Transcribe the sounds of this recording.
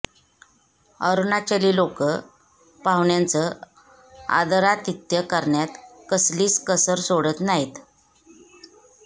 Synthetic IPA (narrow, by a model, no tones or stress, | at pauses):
əɾunat͡ɕeliːlokə | paʋɳjant͡sə | a̰d̪əɾat̪it̪jəkəɾɳjat̪kəsliːt͡skəsəɾsoɽət̪naɦit̪